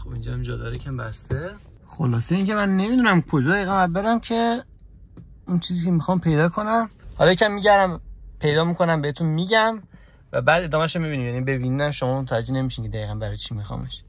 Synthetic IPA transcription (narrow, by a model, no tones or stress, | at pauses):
xobind͡ʒɒæmd͡ʒɒd̪ɒːɾecʰæmbæst̪e | xolɒːseiːncʲʰe̞mænːe̞mid̪unæmkʰod͡ʒɔːd̪æjiːɣænbæbeɾæmcʰe | unt͡ʃʰiːziːcʰemixɒːmpʰe̞jd̪ɒːkʰonæmhɒlɒjecʰæmːiːɟæɾæmpʰe̞jd̪ɒːmiːkʰo̞næmbeet̪ʰunmiːɟæm | væbæːd̪e̞d̪ɒːmæʃomibiniːmjæːnibe̞bininæmʃomɒːmot̪ʰææd͡ʒenemiʃincʰe̞d̪æjiːɣænbæɾɒːjt͡ʃʰimixɒ̰ːmeʃ